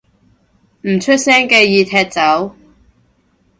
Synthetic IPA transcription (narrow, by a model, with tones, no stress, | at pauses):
m̩˨˩t͡ʃʰɵ˥t̚sɛː˥ŋkɛː˧jiː˧t̪ʰɛː˧˥t̚t͡sɐ˨˥w